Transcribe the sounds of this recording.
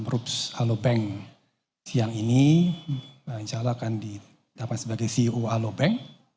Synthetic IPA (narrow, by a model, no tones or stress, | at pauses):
mɾupsalobɛŋ | siaŋini | əɲt͡ʃalaːkandi | d̥apat̪̚səbaɡajsioalobɛŋ